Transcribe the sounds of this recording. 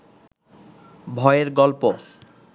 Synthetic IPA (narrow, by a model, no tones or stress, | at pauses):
bʱɔeeɾɡɔlpo